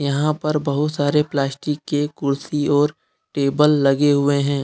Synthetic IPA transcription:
jɐɦãpɐɾbɐɦʊt̪saːɾeplaːsʈɪkːekʊɾsiɔːɾ | ʈeːbəlːɐɡeɦʊeɦɛ̃ː

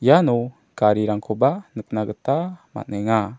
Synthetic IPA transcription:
janu | kaɾiɾaŋkʰobanək̚naɡətama̰nɛŋa

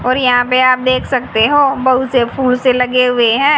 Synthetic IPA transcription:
ɔːɾjɐɦãpeaːp̚d̪eːkʰsɐk̚t̪eɦoːbɐɦusepʰuːlselɐɡeɦʊeɦɛ̃ː

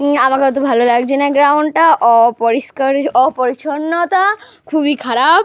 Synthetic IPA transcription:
amaket̪obʱalolaɡd͡ʑʰinaɡɾawɳɖʈaʔɔpɔɾiskaɾɔpoɾiʃʰonːot̪a | kʰubikʰaɾab̚

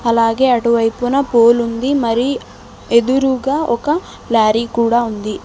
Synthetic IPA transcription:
ɐlaːɡe̞ːɐʈuʋɐjpunɐpoːlund̪imɐɾi | ed̪uɾuɡaːʔɔkɐ | laːɾikuːɽaːund̪i

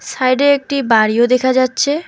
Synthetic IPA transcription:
sajɖeɾek̚ʈibaɽiod̪ekʰad͡ʑatːɕʰe

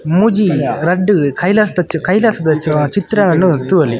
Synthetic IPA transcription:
mud͡ʒiɾɐɖːɯkɐjlɐsɐd̪ɐt͡ʃkɐjlɐsɐd̪ɐt͡ʃt͡ʃit̪ɾɐɐnːut̪uʋɐli

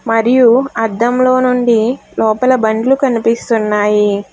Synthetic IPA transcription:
mɐɾijuɐd̪ːɐmlo̞ːnuɳɖilɔːpɐlɐbɐɳɖlukɐnipist̪unːaːji

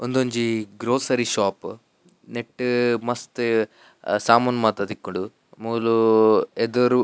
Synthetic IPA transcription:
ond̪oɲd͡ʒiɡɾoːsɐɾiʃaːp | neʈːmɐst̪ | saːmɐnmɐt̪ɐd̪ikːoɽɖu | muːlued̪oɾu

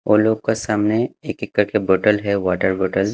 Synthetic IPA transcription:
oːloːɡkasaːmneeːkɪkːəɾkeboːʈəlɦɛʋaːʈəɾboːʈəl

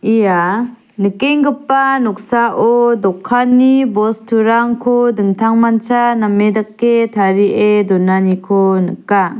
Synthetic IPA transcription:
ija | nɯkeŋɡɯpːanɔk̚saʔɔdɔkʰːanːibɔstʰuɾaŋkʰɔdɯŋtʰaŋmant͡ʃanamːedakːetʰaɾiʔedɔnanikʰɔnɯka

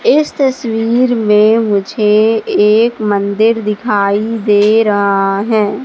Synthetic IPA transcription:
ɪst̪ɐswiːɾmẽmʊd͡ʒʱeː | kmə̃nd̪ɪɾd̪ɪkʰaːid̪eːɾɐɦaɦɛ̃ː

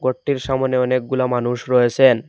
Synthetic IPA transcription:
ɡoʈːiɾʃamoneɔnek̚ɡulamanuʃɾɔet͡ɕʰen

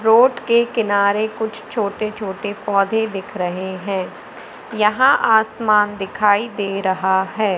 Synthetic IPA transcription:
ɾoːʈkekɪnaːɾekʊt͡ʃʰt͡ʃʰoːʈet͡ʃʰoːʈepɔːd̪ʱed̪ɪkʰɾɐɦeɦɛ̃ː | jɐɦãʔaːsmaːnd̪ɪkʰaːid̪eːɾɐɦaɦɛː

